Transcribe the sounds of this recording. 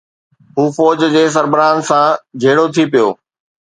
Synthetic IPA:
ɦuːfɔːd͡ʑd͡ʑeːs̬ɐɾbɪɾaːnsãd͡ʑʱeːɽot̪ʰipijo̰ː

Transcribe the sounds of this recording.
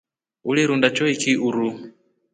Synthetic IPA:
uliɾundat͡ʃɔikiʔuɾu

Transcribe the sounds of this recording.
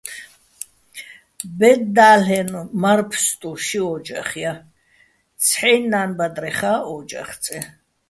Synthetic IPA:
bɛd̪d̪aːlɛnɔmaɾpʰst̪ʼuʃiɔd͡ʒaχja | t̪t͡sʰħɛjnːaːnbad̪ɾɛχaːɔd͡ʒa̰χt̪t͡sʼɛ

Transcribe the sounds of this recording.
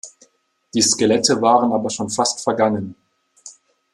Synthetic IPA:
d̥iːskelɛtəvaːʁənaːbɐʃoːnfastfɛɐɡaŋən

